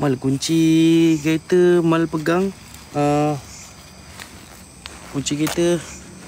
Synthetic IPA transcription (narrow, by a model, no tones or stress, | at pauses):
malɡuɲt͡ʃiɡajt̪əmalpəɡaŋ | ɔ̃ | kuɲt͡ʃiɡat̪ə